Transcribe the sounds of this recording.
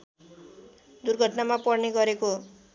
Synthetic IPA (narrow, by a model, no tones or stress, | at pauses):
d̪urɡʱʌʈnamapʌrneɡʌɾeko